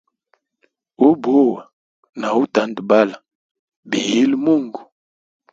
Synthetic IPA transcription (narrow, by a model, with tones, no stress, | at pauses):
o˦bo˦wa˨ | na˨u˦ta˨ndba˦la˨ | bi˨ji˦lmu˦˨ŋɡu˨